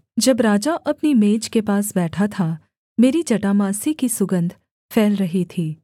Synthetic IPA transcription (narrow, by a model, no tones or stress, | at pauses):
d͡ʒɐbɾaːd͡ʒaʔɐpnimeːd͡ʒkepaːsbɛːʈʰat̪ʰa | meːɾid͡ʒɐʈamãːsikisʊɡə̃nd̪ʱ | fʰɛːlɾɐɦit̪ʰiː